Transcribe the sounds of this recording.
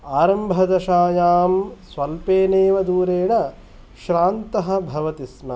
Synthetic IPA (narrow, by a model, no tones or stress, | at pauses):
aːɾɐmbʱɐd̪ɐʃaːjaːmsʋɐlpeːneːʋɐd̪uːɾeːɽɐ | ʃɾaːnt̪ɐɦɐ̆bʱɐʋɐt̪ismɐ